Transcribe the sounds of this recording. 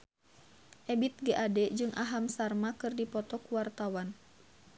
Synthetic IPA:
ʔɛbit̪̚ɡɛʔadɛd͡ʒɨŋʔaɦamsarmakɨrdipɔt̪ɔkuwart̪awan

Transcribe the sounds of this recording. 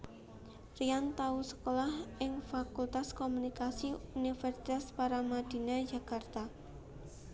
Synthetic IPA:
riant̪ausə̥kolahʔɪŋfakult̪askomunikasiunifɛrsit̪aspaɾamad̥i̤nḁd͡ʒa̤kart̪a

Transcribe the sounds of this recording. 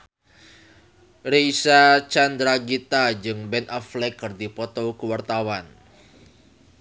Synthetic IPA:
rejsat͡ʃand̪ɾaɡit̪ad͡ʒɨŋbɛnɔflɛkːɨrd̪ipɔt̪ɔkuwart̪awan

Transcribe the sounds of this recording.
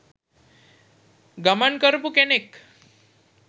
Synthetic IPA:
ɡəmaɳkəɾpukenek

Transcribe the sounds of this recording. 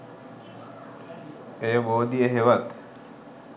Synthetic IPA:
eːboːd̪ijeɦeʋɐt̪

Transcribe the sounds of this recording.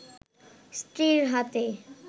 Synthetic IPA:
sʈɾiɾɦat̪e

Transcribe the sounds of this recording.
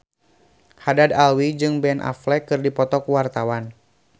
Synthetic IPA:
hadadalwid͡ʒɨŋbɛnʔa̰flɛkɨrdipɔt̪ɔkuwart̪awan

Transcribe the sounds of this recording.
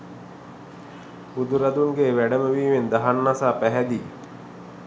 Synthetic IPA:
bud̪uɾad̪uŋɡeːʋæɖəməʋiːʋend̪aɦanːasaːpæɦæd̪i

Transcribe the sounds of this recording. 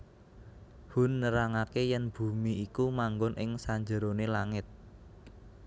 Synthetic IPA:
hunːəɾaŋakejɛnb̥ṳmiʔikumaŋɡɔnʔɪŋsaɲd͡ʒəɾonelaŋɪt̪̚

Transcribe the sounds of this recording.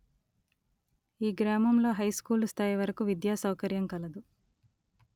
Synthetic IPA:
iːɡɾaːmɐmlo̞ːɦɐjskuːlst̪ʰaːjiʋɐɾɐkuʋid̪jaːsɐwkɐɾjɐmkɐlɐd̪u

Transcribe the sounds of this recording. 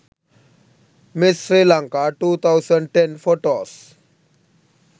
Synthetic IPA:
mɪsːɾiːlãŋkaʈuːt̪ʰaʊsə̃ɳɖʈẽnfoʈoːs

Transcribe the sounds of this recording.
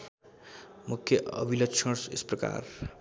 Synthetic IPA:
mukʰjʌʔʌ̰bʱilʌkt͡ʃʰʌɾsḛsprʌka̰r

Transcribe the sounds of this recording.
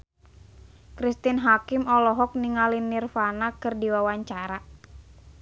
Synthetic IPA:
kɾist̪inɦakimɔlɔɦɔk̚niŋalinːirfanakɨrdiwawaɲt͡ʃaɾa

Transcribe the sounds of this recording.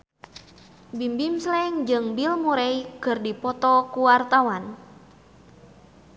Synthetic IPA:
bimbimslɛŋd͡ʒɨŋbilmuɾɛjkɨrdipɔt̪ɔkuwart̪awan

